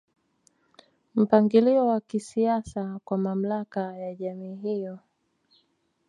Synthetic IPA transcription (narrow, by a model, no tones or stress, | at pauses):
m̩paŋɡiliɔwakisiasakwamam̩lakajaʄamiːɦijɔ